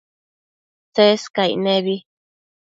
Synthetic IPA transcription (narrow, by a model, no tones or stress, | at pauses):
t͡seskajnẽβi